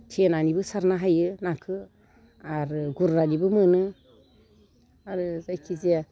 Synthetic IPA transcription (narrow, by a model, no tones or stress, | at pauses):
tʰenanibɨsaɾnaɦajɯnakʰɯ | aɾɡuɾːanibɯmənɨ | aɾzajkʰizia